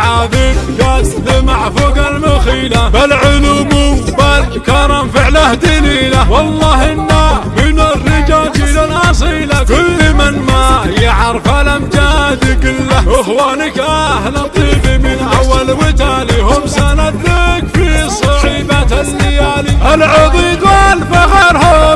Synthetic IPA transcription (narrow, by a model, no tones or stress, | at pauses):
ʕad̪ɪɡat̪lɪmaʕfuɡalmaxiːlabalʕʊlumʊbalkɑɾˤɑːmfɪʕlahd̪iliːlawɑlˤːɑːhɪnːamɪnarːɪd͡ʒaːld͡ʒiːd̪alʕɑs̬ˤiːlakʊlːɪmanmajaʕɾˤfalamd͡ʒad̪ikʊlːaʔɪxwaːnɪkʔahlat̪ˤːiːbimɪnʔawːalwɪt̪aːliɦʊmsanat̪lɪkfisˤɑħiːbat̪alːɪjaːliʔalʕʊd̪ˤid̪alfaxaɾo